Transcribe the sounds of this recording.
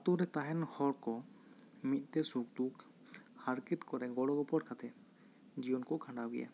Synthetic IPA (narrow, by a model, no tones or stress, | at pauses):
at̪ɔɾɛt̪aɦɛnhɔɾkɔ | mit̪̚ˀt̪ɛsuk̚d̪uk | haɾkit̪kɔɾɛɡɔɽɔɡɔpɔʈ̚kʰat̪ʰɛt̪ | d͡ʒijɔnkɔkʰãɳɖawɛ̰ja̰